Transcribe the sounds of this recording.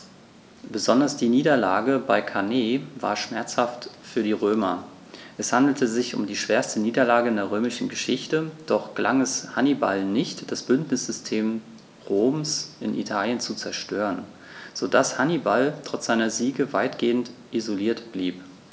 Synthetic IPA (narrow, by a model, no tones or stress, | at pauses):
b̥əzɔndɐsd̥iːniːdɐlaːɡəbaɪkʰaneːva̰ːɐʃmɛɐt͡shaftfyːɐɾdiːʁ̞øːmɐ | ʔɛshandl̩təzɪçʊ̰mdiːʃv̥eːɐstəniːdɐlaːɡəɪndeːɐʁ̞øːmɪʃn̩ɡəʃɪçtəd̥ɔχɡ̥əlʔaŋɛshaniba̰lnɪçtd̥asb̥ʏntnɪsz̥ʏstʰeːm | ʁoːmsʔɪnʔḭtʰaːljənt͡sut͡sɛɐʃtʰøːʁən | z̥odashanibaltʁ̥ɔt͡sz̥aɪnɐziːɡəvaɪtɡ̥eːəntʔizoliːɐtb̥liːp